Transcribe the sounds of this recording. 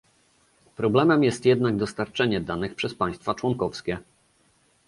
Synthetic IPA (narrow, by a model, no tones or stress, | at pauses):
pɾɔblɛmɛmjɛst̪jɛd̪naɡ̚d̪ɔst̪aɾt͡ʂɛɲɛd̪anɘxpʂɛspaj̃st̪fat͡ʂwɔŋkɔfskʲɛ